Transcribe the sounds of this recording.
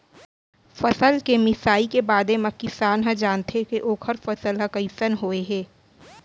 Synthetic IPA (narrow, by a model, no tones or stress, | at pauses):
fɐsəlkemɪsaːikebaːd̪emɐkːisaːnɦə̃d͡ʒaːnt̪ekeʔoːkʰəɾfɐsəlɦɐkəisənɦoːeɦɛː